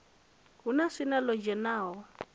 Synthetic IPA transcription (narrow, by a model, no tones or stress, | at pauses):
ɦunasinalɔd͡ʒɛnaːɦɔ